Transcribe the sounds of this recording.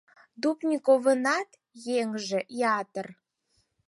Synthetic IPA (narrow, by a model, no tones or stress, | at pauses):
d̪upnʲikoβə̆nɑt̪ | jeŋʒĕjɑt̪ər